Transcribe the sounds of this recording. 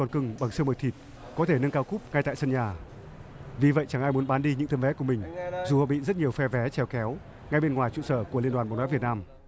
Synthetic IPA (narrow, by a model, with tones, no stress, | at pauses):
ɔ˨˩nkɨ˧ŋɓa˨˩ŋsɨ˧məː˨˩jt̪ʰi˨˩t̚ | kɔ˨˦t̪ʰe˧˩nɨ˧ŋkaː˧wkʊ˦˥p̚ŋa˧jt̪a̰ː˧˨sə˧nɲaː˨˩ | vi˨˩və̰˧˨jt͡ɕa˧˩ŋʔaː˧jmu˨˦ənɓaː˨˦nɗi˧ɲɨ̰˧˥ŋt̪ʰə˧nvɛ˨˦ku˧˩əmï˨˩ŋ̟zu˨˩hɔ̰˧˨ɓḭ˧˨zə˦˥t̚ɲi˨˩əwfɛ˧vɛ˨˦t͡ɕɛ˨˧˩wkɛ˨˦w | ŋa˧jɓe˧nŋwaː˨˩jt͡ɕṵ˧˨səː˧˩ku˧˩əli˧nɗwaː˨˩ɓa̰˧˨nwːvi˨˩ət̚naː˧m